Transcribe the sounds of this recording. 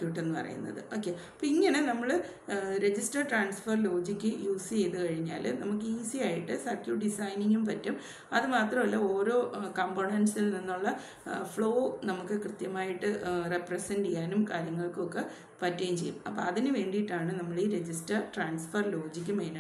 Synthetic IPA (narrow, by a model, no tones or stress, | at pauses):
t̪uiʈːe̞nːɨpɐ̰rɐ̰jṵnːɐ̰ðɨ̰o̞ːkːeɐpːoːiŋːɐne̞nɐmːɐɭ | ɾe̞d͡ʑisʈɐrʈraːnsfɐrlo̞ːd͡ʑikʲːɨjuːsit͡ɕe̞jt̪ɨkɐɻiɲːa̰ːlnɐmuk̬ːɨiːsiaːjiʈːɨsɐrkʲjuːɖisɐjniŋɡumpɐtːum | ɐðɨmaːt̪rɐmɐlːɐo̞ːɾo̞ːkɐmboːɳɐnsilninːuɭːɐ | fɭo̞ːnɐmukːɨkrɨt̪jɐmaːjiʈːɨreprɐsɐndejːaːnumkaːɾjɐŋːɐɭkɨokːe | pɐtːejmt͡ɕe̞jːṵmɐ̰pːo̰ːɐðinɨʋe̞ːɳɖijiʈːaːɳɨnɐmːɐɭiːɾe̞d͡ʑisʈɐʈraːnsfɐrlo̞ːd͡ʑik̬ʲːɨmeːna